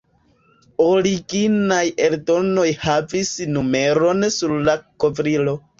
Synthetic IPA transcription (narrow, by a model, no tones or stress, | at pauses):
oɾiɡinaje̞ldo̞no̞jhavisnume̞ɾo̞nsuɾlako̞vɾilo̞